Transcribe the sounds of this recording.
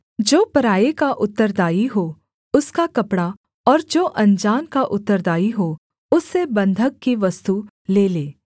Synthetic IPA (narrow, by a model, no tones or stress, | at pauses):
d͡ʒoːpɐɾaːekaʔʊt̪ːəɾd̪aːiɦoː | ʊskakɐpɽa | ɔːɾd͡ʒoːʔɐ̃nd͡ʒaːnkaʔʊt̪ːəɾd̪aːiɦo | ʊsːebɐ̃nd̪ʱək̚kːiʋɐst̪u | leːleː